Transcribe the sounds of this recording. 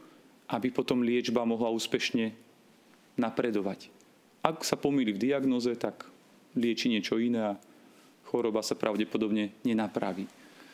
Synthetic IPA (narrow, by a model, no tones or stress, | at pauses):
ʔabipɔt̪ɔmlɪɛd͡ʒbamɔɦlauːspɛʃɲɛ | napɾɛd̪ɔʋac | ʔaksapɔmilivd̪iaɡnɔzɛt̪ak | lɪɛt͡ʃiɲɪɛt͡ʃɔinɛa | xɔɾɔbasapɾʔaʊɟɛpɔd̪ɔbɲɛɲɛnapɾa̰ʋiː